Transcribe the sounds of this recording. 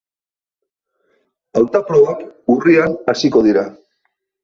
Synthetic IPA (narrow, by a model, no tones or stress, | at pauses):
awt̪apɾoakurianasiko̞ð̞iɾa